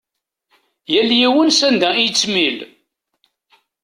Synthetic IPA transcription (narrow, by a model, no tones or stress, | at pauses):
jæljiwənsænd̪æit͡sːmil